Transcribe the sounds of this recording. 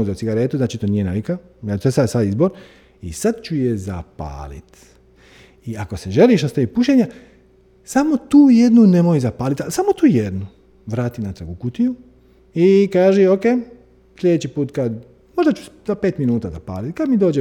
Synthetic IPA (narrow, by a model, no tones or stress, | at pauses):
uzusiɡaɾeːt̪uznaːt͡ʃit̪oːniːje̞nalika | asesasad̪izboɾ | isad̪t͡ʃujeza̰pa̰ːlḭt̪ | iako̞seʒeliʃost̪aipuʃeɲa | samo̞t̪uːjed̪nune̞mojizapaːlit̪asamot̪uːjed̪nu | ʋɾaːt̪inat̪ɾaɡukut̪iju | ikaːʒeokeː | sʎʲeet͡ɕipuːt̪kad̪ | mo̞ʒd̪at͡ʃu̥zapeːt̪minuːt̪azapa̰ːlit̪kad̪mid̪oːd͡ʒe